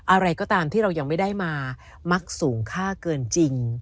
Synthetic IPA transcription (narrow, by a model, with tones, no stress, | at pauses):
ʔa˧ɾa˧jkɔː˥˩t̪aː˧mt̪ʰiː˥˩ɾa˧wja˧ŋma˥˩jdaː˥˩jmaː˧ | ma˦˥k̚suː˩˦ŋkʰaː˥˩kɤː˧nt͡ɕi˧ŋ